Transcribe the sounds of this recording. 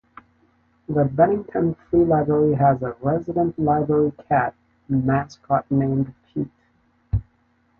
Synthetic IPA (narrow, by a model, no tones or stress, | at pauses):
ðəbɛñɪ̃ŋtʰə̃nθɹilaɪbɹɛɹiəzəɹɛzɨɾə̃nʔlaɪbɹɛɹikʰæt̚ | mæskʰɑt̚nẽɪ̃mpʰit